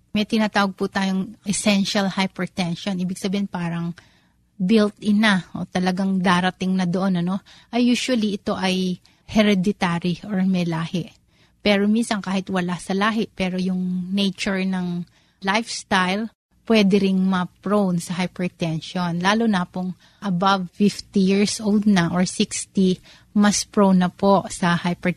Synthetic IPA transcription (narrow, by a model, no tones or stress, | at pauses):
mɛjt̪ɪnat̪aːwɐɡ̚pʊt̪aːjoŋʔɛsɛnʃalhajpɛt̪ɛnʃonʔiːbɪɡsɐbiːɪnpaːɾɐŋ | bɪlt̪̚ʔɪnaʔo̞̰t̪ɐlɐɡaŋd̪aːɾɐt̪ɪŋnɐd̪oʔonɐno̞ʔɐjːuːʃwɐliʔɪt̪o̞ʔɐj | hɛɾɛd̪ɪt̪aɾioɹmɛlaːhɪʔ | pɛːɾominsɐŋkaːhɪt̪wɐlasɐlaːɦɪʔpɛːɾo̞jʊŋnɛjt͡ʃʊɹnɐŋ | lajfst̪ajl | pwɛd̪ɛɾɪŋmɐpɹownsɐɦajpɛɹt̪ɛnʃonlaːlonɐpoŋ | ʔɐbavfift̪ijiɹsʔowld̪̚nɐʔoɹsikst̪i | mɐspɹownɐpo̞ʔsɐhajpɛ